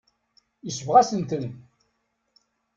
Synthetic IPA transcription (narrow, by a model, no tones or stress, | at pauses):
jəsəvʁæsənt̪ən